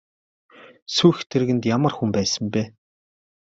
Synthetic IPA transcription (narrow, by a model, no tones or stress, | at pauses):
sujxt̪ʰeɾɣɘ̆nt̪jamə̆rxumpæːsə̆mpeː